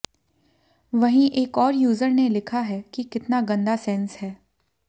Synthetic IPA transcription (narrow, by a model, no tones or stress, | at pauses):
ʋɐɦĩʔeːkɔːɾjuːzəɾnelɪkʰaɦɛːkikɪt̪naɡɐ̃nd̪asɛnshɛː